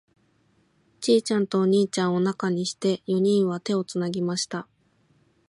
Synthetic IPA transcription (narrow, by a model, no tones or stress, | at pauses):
t͡ɕiːt͡ɕãnt̪o̞ːɲ̟iːt͡ɕãɰ̃o̞nakaɲ̟iɕi̥t̪e̞jo̞ɲ̟ĩɰ̃βat̪e̞o̞t͡sɨnaɡʲimaɕi̥t̪a